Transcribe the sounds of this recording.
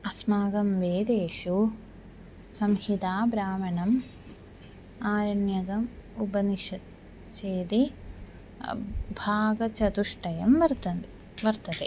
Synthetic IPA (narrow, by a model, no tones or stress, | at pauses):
ɐsmaːɡɐmʋeːd̪eːʃu | sɐmhit̪aːbɾaːmɐɳɐm | aːɾɐɳjɐɡɐmubɐniʃɐt̪̚ | t͡ʃeːd̪i | bʱaːɡɐt͡ʃɐt̪uʂʈɐjɐmʋɐɾt̪ɐ | ʋɐɾt̪ɐt̪e